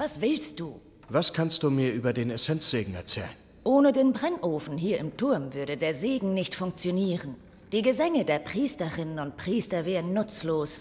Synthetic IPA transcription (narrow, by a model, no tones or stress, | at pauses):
vasv̥ɪlst̚d̥uː | vaskʰanst̚d̥uːmiːɐʔyːbɐdeːnesɛnt͡sz̥eːɡŋ̩ɛ̰ɐt͡sɛ̰ːlən | ʔoːnədeːnbʁɛnʔoːfn̩ɦiːɐʔɪmtʰʊɐmvʏɐɾədeːɐzeːɡŋ̩nɪçtfʊŋk̚t͡sjoniːʁən | d̥iːɡəzɛŋədeːɐpʁ̥iːstɐʁɪnənʊnt̚pʁ̥iːstɐvɛːɐdn̩ːʊt͡sloːs